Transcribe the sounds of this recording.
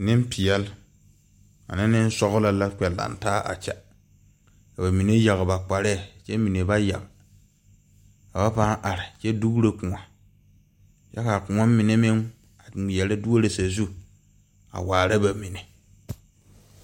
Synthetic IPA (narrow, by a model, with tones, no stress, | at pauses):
nɪ˦m˦pɪ˨ɛ˨l | a̰˨nɪ˦nɪ˦n˦sɔ˦ɣʊ˦la˦la˦kɛ˨lːa̰˨n˨taː˦ʔa̰˨t͡ʃɛ˦ | ka˨ba˨mi˨ne˦ja˨ɣba˨k͡pa˨ɾɛ˦˨t͡ʃɛ˦mi˨ne˨ba˦ja̰˨ɣ | ka˨ba˦pa˦ŋʔa˨ɾɪ˨t͡ʃɛ˦du˦ɣu˦ɾe˦kʊ̃˨ŋa˨ | ja˦ka˨kʊ̃˨ŋa˦mɪ˨ne˦mɪ˦ŋ | a˨jɛ˨lɪ˦du˦o˦ɾe˨sa˨zu˦ | a̰˨waː˨ɾa˦ba˨mi˨ne˨